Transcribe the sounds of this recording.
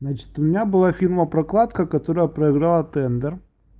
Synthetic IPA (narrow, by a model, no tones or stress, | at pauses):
znat͡ɕɪ̥t̪ʊmʲɪnʲabɨlˠafʲirməpɾɐklˠat̪kəkɐt̪o̞ɾəjəpɾəɪɡɾalˠət̪ɛnd̪ər